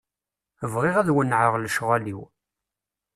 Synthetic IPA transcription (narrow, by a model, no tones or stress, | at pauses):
əvʁɪʁæðwənːʕəʁləʃʁæliw